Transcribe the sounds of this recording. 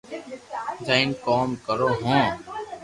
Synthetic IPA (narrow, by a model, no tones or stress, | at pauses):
zaɪnkɔːmkəɾoːɦõː